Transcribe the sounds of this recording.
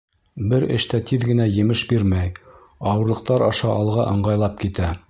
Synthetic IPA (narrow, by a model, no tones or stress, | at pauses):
bɘɾɘ̰̆ʃt̪æt̪iðɡɘ̆næjɘ̆mɘʃbiɾmæj | ɑwɤ̆ɾlˠɤ̆q̚t̪ɑɾɑʃɑʔɑlˠʁɑʔɤ̆ɴɢɑjlˠɑp̚kit̪æ